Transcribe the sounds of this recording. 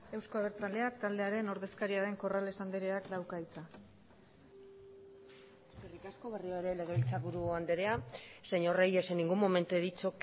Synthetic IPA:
e̞wsko̞aβ̞e̞ɾt͡sale̞akt̪ald̪e̞aɾe̞no̞ɾðe̞skaɾiaɾe̞ŋko̞rale̞sand̪eɾeaklawkajt͡s̪a | eserikasko̞βarioaeɾe̞leɣeβilt͡saβuɾuand̪eɾeaseɲo̞rejeseniŋɡumo̞me̞nt̪ueðit͡sok

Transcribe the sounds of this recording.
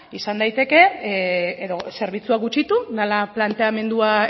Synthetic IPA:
isand̪ajt̪e̞ke̞ | eðo̞se̞ɾβ̞it͡suaɣut͡ʃit̪udalaplant̪e̞ame̞nd̪ua

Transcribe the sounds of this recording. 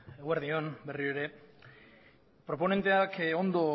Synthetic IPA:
eɣweɾðionberieɾe | pɾopone̞nt̪eakeond̪o

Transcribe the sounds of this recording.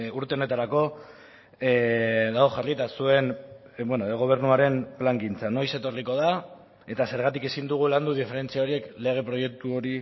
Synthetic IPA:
uɾt̪e̞one̞t̪aɾako̞ | ðaoxarit̪asue̞n | bwenoeɣ̞o̞β̞e̞ɾnuaɾe̞nplaŋɡint͡sano̞jse̞t̪o̞riko̞ð̞a | e̞t̪ase̞ɾɣat̪ike̞sind̪uɣ̞uland̪uð̞ife̞ɾe̞nt͡siaoɾie̞kle̞ɣ̞e̞pɾo̞je̞k̚t̪uo̞ɾi

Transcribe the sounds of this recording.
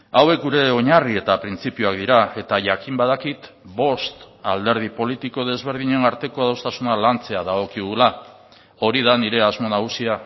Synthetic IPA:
awe̞k̚ɡuɾe̞o̞ɲarie̞t̪apɾint͡sipiuak̚d̪iɾae̞t̪aʝakimbaðakit̪ | bo̞st̪ald̪e̞ɾð̞ipo̞lit̪iko̞ðe̞zβ̞e̞ɾð̞iɲe̞naɾt̪e̞ko̞aðawst̪asunalant͡se̞aðaɣ̞o̞kiɣula | o̞ɾiðaniɾe̞azmo̞naɣ̞usia

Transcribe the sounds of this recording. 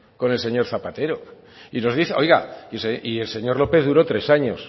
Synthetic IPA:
ko̞ne̞lse̞ɲo̞ɾθapat̪e̞ɾo̞ | ino̞zðiθeo̞jɣaseielse̞ɲo̞ɾlo̞pe̞θðuɾo̞t̪ɾe̞saɲo̞s

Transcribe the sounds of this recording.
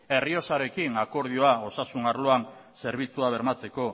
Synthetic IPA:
e̞rio̞saɾe̞kinako̞ɾð̞io̞ao̞sasunaɾlo̞anse̞ɾβ̞it͡suaβ̞e̞ɾmat͡se̞ko̞

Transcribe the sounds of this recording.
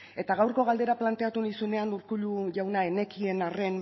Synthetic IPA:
e̞t̪aɣawɾko̞ɣald̪e̞ɾaplant̪e̞at̪unisune̞anuɾkuʎuʝawnae̞ne̞kie̞nare̞n

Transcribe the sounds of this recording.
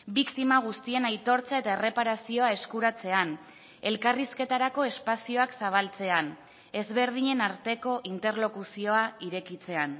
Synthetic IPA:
bikt̪imaɣ̞ust̪ie̞najt̪o̞ɾt͡sae̞t̪aere̞paɾasio̞ae̞skuɾat͡se̞an | e̞lkariske̞t̪aɾako̞e̞spasio̞aksaβ̞alt͡se̞an | e̞zβe̞ɾð̞iɲe̞naɾt̪e̞ko̞ʔint̪e̞ɾlo̞kusio̞aiɾe̞kit͡se̞an

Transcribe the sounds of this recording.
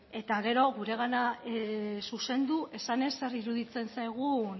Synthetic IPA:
e̞t̪aɣe̞ɾo̞ɣuɾe̞ɣ̞ana | suse̞nd̪uʔe̞sane̞sːe̞ɾiɾuðit͡se̞nsajɣ̞u

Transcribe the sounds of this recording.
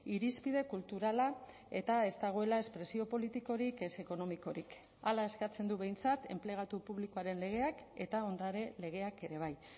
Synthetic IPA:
iɾispið̞e̞kult̪uɾala | e̞t̪ae̞zt̪aɣ̞o̞e̞lae̞spɾe̞sio̞po̞lit̪iko̞ɾike̞se̞ko̞no̞miko̞ɾik | alae̞skat͡se̞nd̪uβe̞jnt͡sat̪e̞mple̞ɣ̞at̪upuβlikoaɾe̞nle̞ɣ̞e̞ake̞t̪ao̞nd̪aɾe̞le̞ɣ̞e̞ake̞ɾe̞β̞aj

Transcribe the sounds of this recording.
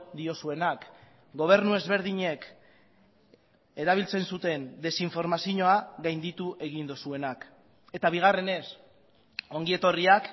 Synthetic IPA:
d̪io̞sue̞nak | ɡo̞β̞e̞ɾnue̞zβe̞ɾðiɲe̞k | e̞ɾaβ̞ilt͡se̞nsut̪e̞nd̪e̞siɱfo̞ɾmasiɲo̞aɣajnd̪it̪uʔe̞ɣ̞ind̪osue̞nak | e̞t̪aβ̞iɣ̞are̞ne̞s | o̞ŋɡie̞t̪o̞riak

